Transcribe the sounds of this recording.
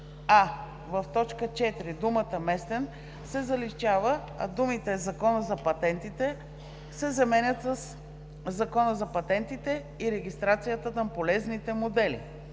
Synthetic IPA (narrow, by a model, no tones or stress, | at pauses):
a | vəft̪ɔt͡ʃkət͡ʃɛt̪ɾid̪umət̪əmɛst̪ɛn | sɛzɐlit͡ʃavə | ɐ̰d̪umit̪ɛzɐkɔnəzɐpɐt̪ɛnt̪it̪ɛ | sɛzɐmɛnʲət̪səsː | ɐkɔnəzɐpɐt̪ɛnt̪it̪ɛ | iɾɛɡist̪ɾat̪sijət̪ət̪ampolɛznit̪ɛmod̪ɛlḭ